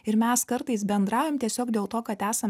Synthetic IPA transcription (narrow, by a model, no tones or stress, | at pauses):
ɪɾmʲɛskɐɾt̪ɐɪsbʲɛnd̪ɾɑːjʲomt̪ʲiɛsʲoːkd̪ʲeːlˠt̪oːkɐt̪æːsɐm